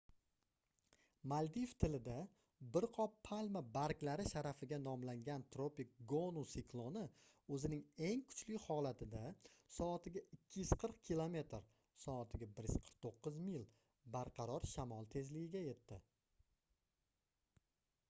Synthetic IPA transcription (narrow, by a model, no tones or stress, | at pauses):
mald̪ift̪ʰɪlɪd̪a | bɪɾqʰɒpʰːalmabaɾkʲlaɾɪʃaɾafɪɡʲanɒmlaŋɡʲant̪ɾopik̚ɡonusɪklˠonɪ | ɵzɪnɪŋe̞ŋkʰʊ̥t͡ʃlɪhɒlat̪ʰɪd̪asɒːt̪ɪɡʲaɪkʲʰːɪjʊz̥qʰɨɾqkʲʰilˠome̞t̪ɾ | sɒːt̪ʰɪɡʲabɪɾjɪz̥qʰə̥ɾq̚t̪ʰoqːɨzmilˠ | baɾqʰɑɾɒɾʃamɒlˠt̪ʰe̞zlɪɡʲɪɡʲaje̞t̪ːɪ